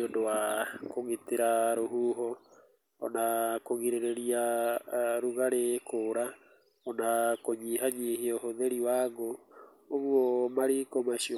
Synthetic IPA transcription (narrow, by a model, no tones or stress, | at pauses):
ondowakoɣiteɾaɾoɦuːɦɔ | ɔ̰nakoɣiɾeɾeɾia | ɾuɣaɾekoɾa | ɔnakoɲiɦaɲiɦiohoðeɾiwaɣoː | ɣwomaɾikomaʃi